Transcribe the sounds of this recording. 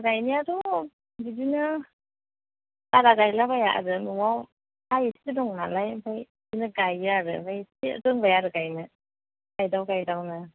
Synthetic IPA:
ɡajniadɔ | bidinɯ | kaɾaɡajlabajaʔa̰ɾɯnuwaw | ajsiidɔŋnalajbʰaj | dinɯɡajaɾɯbajsḭɾɯŋbajaɾɯɡajnɯ | ɡajdawɡajdawna

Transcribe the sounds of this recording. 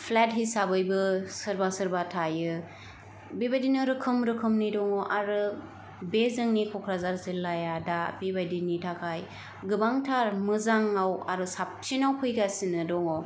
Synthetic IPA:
pʰlat̚ɦisabɯjbɯsɯɾbasɯɾbatʰajɯ | bibajdinɯɾɯkʰɯmɾɯkʰɯmnidɔŋɔʔaɾɯ | bezɯŋnikʰɔkʰɾazaɾzilːajadabibajdinitʰakʰaj | ɡɯbaŋtʰaɾmɯzaŋawa̰ɾɯsap̚sinawpʰɯjɡasinɯdɔŋɔ

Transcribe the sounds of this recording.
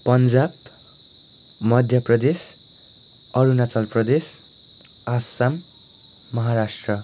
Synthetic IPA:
pʌnd͡zab | mʌd̪ʱjʌprʌd̪es | ʌɾunat͡sʌlprʌd̪es | asamː | ʌɦaɾasʈrʌ

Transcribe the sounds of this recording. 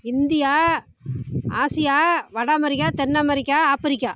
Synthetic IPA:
ɪnd̪ɪjaː | aːsɪjaːʋɐɽaːmɐɾɪkːaːt̪ɛnːaːmɐɾɪkːaːaːpɐɾɪkːaː

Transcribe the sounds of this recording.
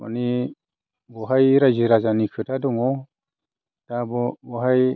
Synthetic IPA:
a̰ni | bɔɦajɾad͡ʒiɾad͡ʒanikʰɯtadɔŋɔ | d̥abɔbɔɦaj

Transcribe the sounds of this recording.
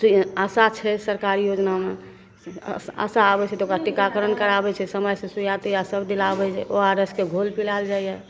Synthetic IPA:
əsat͡ʃʰɛsəɾkaɾijod͡ʒname | ə̰saːbɛt͡ʃʰɛt̪ɔokɾaʈikakəɾənkəɾabɛt͡ʃʰɛsəməjsẽsujat̪ejasəbd̪ilabɛt͡ʃʰɛ̰oaɾeskeɡʱolpilald͡ʒajjɛ

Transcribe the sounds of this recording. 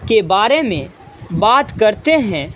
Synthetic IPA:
kebaːɾemẽ | baːt̪kɐɾt̪eɦɛ̃

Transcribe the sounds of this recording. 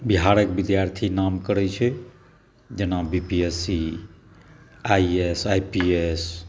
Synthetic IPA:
biɦaɾekbid̪jaɾt̪ʰinamkəɾɛt͡ʃʰɛ | d͡ʒenabipiesi | aiesaipies

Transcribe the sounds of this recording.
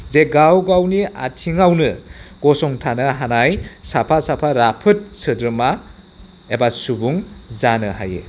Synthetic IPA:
zeɡawɡawnia̰tʰiŋawnɯɡ̥ɔsɔŋtʰanɯɦanajsapʰasapʰaɾapʰɯt̚sɯdɾɯma | ebasubuŋzanɯɦa̰jḛ

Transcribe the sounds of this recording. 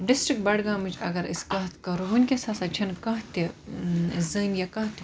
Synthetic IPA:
ɖisʈɾik̚ʈbɐɽɡãːmit͡ʃɐ̰ɡɐɾiskɐɦt̪kɐɾɦunʲkʲesaːsɐt͡ʃʰɐnkɐɦt̪e | szɐːnjakɐɦt̪i

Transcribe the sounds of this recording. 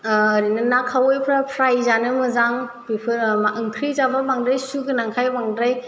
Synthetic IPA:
ɾinɯnakʰawojpʰɾapʰɾajzanɯmɯzaŋbipʰɯmaʔɯŋkʰɾizababaŋdɾajsuɡɯnaŋkʰajbaŋdɾaj

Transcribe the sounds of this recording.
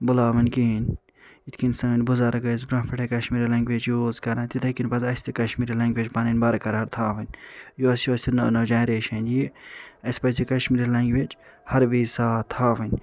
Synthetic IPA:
bʊlaːʋɐnʲkinʲ | it̪ʰkinsɐɐnʲbuzaɾɐɡɐzbɾɐ̃pʰɐʈekɐʃmiːɾilɐ̃ŋɡʲʋet͡ʃjuːzkɐɾɐ̃nt̪it̪ʰɐkinpɐzɐsʲt̪ʰikɐʃmiːɾilɐ̃ŋɡʲʋʲet͡ʃpɐninʲbɐɾɐkɐɾɦɐɾt̪ʰaːʋɐnʲjuɐsjoːsʲt̪ʰinonɐd͡ʒaːnɾeːʃɐnjiɐspɐzikɐʃmiːɾilɐŋɡʋʲet͡ʃhɐɾʋiːsaːt̪ʰaːʋɐnʲ

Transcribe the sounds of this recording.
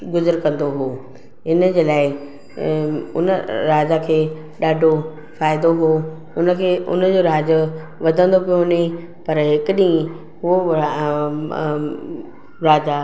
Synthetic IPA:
ɡʊzəɾkɐ̃nd̪oɦoː | ɦɪnəd͡ʑeːlaːɪ | ʊ̰nəɾaːd͡ʑakʰeː | ɗaːɖʱo | faːɪd̪oɦoː | ʊnə̆kʰeːʔʊ̰nəd͡ʑoːɾaːd͡ʑʊ | ʋɐd̪ʱə̃nd̪opijoɦne | pɐɾɦɪkɗĩː | ɦʊo | ɾaːd͡ʑa

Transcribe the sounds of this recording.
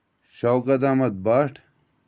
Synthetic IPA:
ɕawɡɐd̪aːmɐt̪̚baːʈʰ

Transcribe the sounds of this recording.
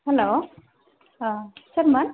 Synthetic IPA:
hɛlo | səɾman

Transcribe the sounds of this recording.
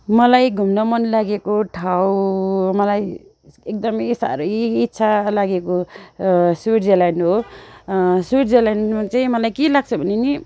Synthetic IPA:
mʌlajɡʱumnʌmʌnlaɡekoʈʰawmʌlaj | ek̚d̪ʌmʌjsa̰ɾʌjitːsʰalaɡeko | siʈd͡zelajnɦo | suiʈd͡zelajnmat͡saĩmʌlajkelaɡ̚t͡sʰʌbʱʌneni

